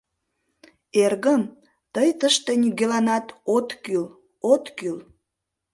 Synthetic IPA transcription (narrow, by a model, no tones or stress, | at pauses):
erɣəm | t̪əjt̪əʃt̪enʲyɡelɑnɑt̪ot̪kyl | ot̪kyl